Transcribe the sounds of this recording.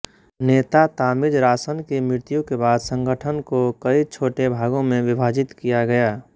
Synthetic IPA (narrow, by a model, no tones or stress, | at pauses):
neːt̪at̪aːmɪd͡ʒɾaːsənkemɾɪɾt̪ijõkebaːd̪sə̃ŋɡʱəʈʰənkokəit͡ʃʰoːʈebʱaːɡõmẽʋɪbʱaːd͡ʒɪt̪kijaɡɐjaː